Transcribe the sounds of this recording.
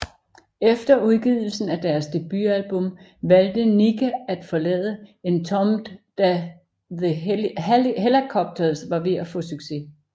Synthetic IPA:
efd̥ɐuð̞ˠɡ̥ið̞̰ˠl̩sn̩æd̥æɐsd̥e̝b̥yælb̥ɔ̽m | ʋæld̥əniɡʰææd̥fɒ̽lɛ̰ːðˠəe̝nt͡sʰɒ̽md̥æ | ð | helikʰɒ̽b̥̚d̥ʰɐsʋɑ̈ʋe̝æfɔ̽syɡ̥se̝

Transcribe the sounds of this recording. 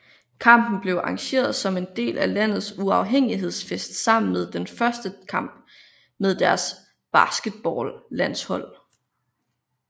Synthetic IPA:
kʰɑ̈m̰b̥n̩b̥le̝ʊʔɑ̈ŋɕe̝̰ːɐðˠsɒ̽me̝nd̥e̝̰ːlʔælæn̰ð̩ˠsuɑ̈ʊɦeŋ̰iɦe̝ð̞̰ˠsfesd̥sɑ̈m̰n̩með̞ˠd̥enfɶɐsd̥əkʰɑ̈m̰b̥ | með̞ˠd̥æɐs | b̥ɑ̈sɡ̥əd̥̚b̥ɒːllæn̰shɒ̽l̰

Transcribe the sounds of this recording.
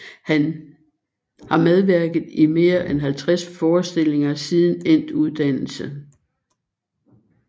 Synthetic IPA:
hæn | hɑ̈með̞ˠʋæɐɡ̥ð̩ˠime̝ːɐʔenɦælt͡sʰʁasfɒːsd̥e̝l̰e̝ŋɐsið̞ˠn̩en̰d̥uð̞ˠd̥æn̰l̩sə

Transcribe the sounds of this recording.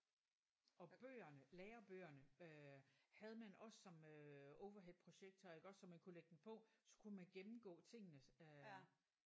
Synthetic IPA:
ɒ̽b̥øːɐnəleːɐb̥øːɐnə | hæð̞ˠəmænɒ̽sːɒ̽møɔʊʋɐɦed̥̚pʰʁo̝ɕeɡ̥̚d̥ʰɒ̽eɡ̥ɒ̽sɒ̽mænkʰuleɡ̥əd̥n̩pʰɒ̽sɒ̥̽kʰunmænɡ̥emm̩ɡ̥ɔ̰̽ːt͡sʰe̝ŋ̰nə

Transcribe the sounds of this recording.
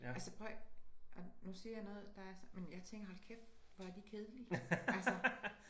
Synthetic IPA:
ælsəpʰʁœʔɒnusiɐjɑnɔ̽ːð̩ˠd̥ɑ̈æɐsmenjɑt͡sʰeŋɡ̥ɐɦɒlkʰefʋɒæɐd̥ikʰe̝ð̞ˠəliælsə

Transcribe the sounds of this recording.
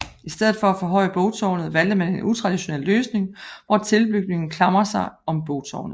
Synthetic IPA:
isd̥eð̰̩ˠfɒ̽æfɔɦɒ̽ɪ̰əb̥ɔʊt͡sʰɒʊnð̩ˠʋæl̰d̥əmæne̝nʔut͡sʰʁɑ̈d̥iɕo̝nḛlːøːsne̝ŋʋɒt͡sʰe̝lb̥yɡ̥ne̝ŋn̩kʰlɑ̈mʁɐsɑ̈ɪɒ̽mb̥oʊ̥t͡sʰɒ̰ʊ̰nð̩ˠ

